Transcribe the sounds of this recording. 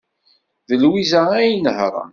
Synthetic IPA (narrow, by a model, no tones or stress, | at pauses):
ðəlwizææjənəhɾˤɑ̰